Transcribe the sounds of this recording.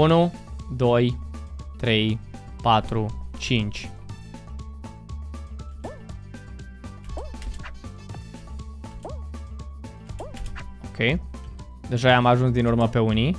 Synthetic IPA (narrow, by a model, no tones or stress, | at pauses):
unud̪o̞jt̪ɾe̞j | pat̪ɾut͡ʃint͡ʃʲ | okʰej | d̪e̞ʒajeamaʒunsd̪inurməpe̞uni